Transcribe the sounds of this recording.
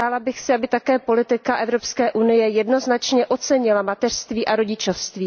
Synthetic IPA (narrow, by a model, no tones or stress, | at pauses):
aːlabɪxsɪabɪt̪akɛːpo̞lɪt̪ɪkaʔɛvɾo̞pskɛːʔunɪjɛjɛdno̞znat͡ʃɲɛʔo̞t͡sɛɲɪlamat̪ɛr̥st̪viːʔaɾo̞ɟɪt͡ʃofst̪viː